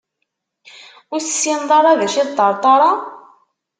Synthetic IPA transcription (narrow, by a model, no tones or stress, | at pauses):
ʊɾθə̥sind̪ˤɑɾˤɑðæʃiðt̪ˤːəɾˤt̪ˤɑɾˤɑ